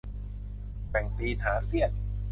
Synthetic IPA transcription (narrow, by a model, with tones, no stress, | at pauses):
pɛ˨˩ŋpiː˧t̪ʰaː˩˦si˥˩ət̪̚